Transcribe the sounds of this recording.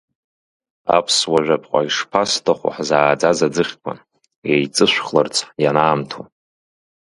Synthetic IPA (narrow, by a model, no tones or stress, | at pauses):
a̰pʰswaʒʷᶣapʰʼqʷʼa̰iʂpʰastʰaχʷʊ̰ħzaːd͡zazad͡zɨχʲkʷʰʼa̰n | ejt͡sʼɨʃʷχlart͡sʷʰjanaːmtʰu